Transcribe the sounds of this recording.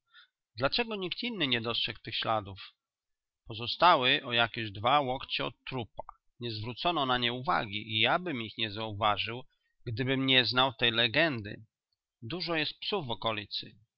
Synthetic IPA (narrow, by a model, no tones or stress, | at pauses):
d̪lat͡ʂɛɡɔɲik̚t̪inːɘɲɛd̪ɔst̪ʂɛkt̪ɘxɕlad̪uf | pɔzɔst̪awɘʔɔjakʲɛʑd̪vawɔkt͡ɕɛɔ̰t̪t̪ːɾupa | ɲɛzvɾut̪sɔnɔnaɲɛuva̰ɡʲḭʔijabɘmixɲɛzauvaʐɘw | ɡd̪ɘbɘmɲɛznawt̪ɛjlɛɡɛnd̪ɘ̰ | d̪uʐɔjɛst̪̚psuvːɔkɔlʲit̪sɘ̰